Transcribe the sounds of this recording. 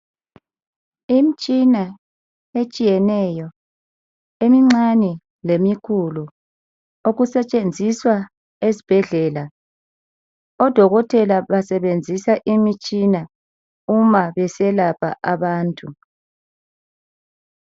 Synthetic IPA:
im̩t͡ʃʼina | et͡ʃʼijɛnɛjɔ | emiŋ͡ǀanɛ | lemikʰulu | oɣusɛt͡ʃʼend͡zʱiswa | ezi̥b̥ʱɛɮɛla | ɔd̥ʱɔɣɔtʰɛlaβasɛβend͡zʱisaʔimit͡ʃʼina | umaβɛsɛlapʰa̰ʔaβaːntʼu

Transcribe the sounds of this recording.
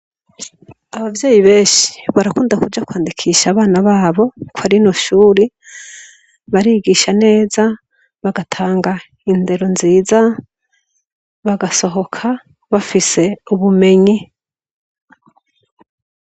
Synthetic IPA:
aβavje̞ːjiβe̞ːnʃi̥βaɾakuːndakuɾd͡ʒakwaːndikʰiːʃaːβaːnaβaːβo̞kwaɾino̞ʃuːɾi | βaɾiːɡiʃane̞ːza | βaɡatʰaːŋɡa | inde̞ɾo̞nziːza | βaɡaso̞ɦo̞kʰa | βafise̞uβume̞ɲi

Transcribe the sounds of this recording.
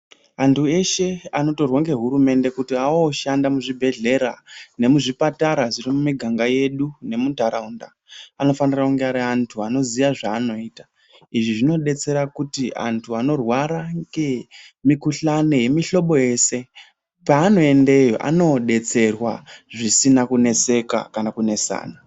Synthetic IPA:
antʰue̞ʃe̞ano̞to̞rwoŋɡe̞ɦuɾume̞nde̞kutiaoʃandamuʐibʱe̞ɮe̞ɾane̞muʐipataɾaʐirimumiɡʱaŋɡaje̞ɗune̞mundaɾaunda̰ | ano̞fanirakuŋɡeaɾiantʰuano̞ziʋaʐaːno̞iːta | iʐiʐino̞ɗe̞t͡se̞ɾakutia̰ntʰuano̞rwaɾaŋɡemikuɬano̞je̞miɬo̞ɓo̞je̞ːse̞ | paːno̞e̞nde̞jo̰ʔa̰no̞ɗe̞t͡se̞rwaʐisinakune̞se̞ka̰kanakune̞sa̰ːna

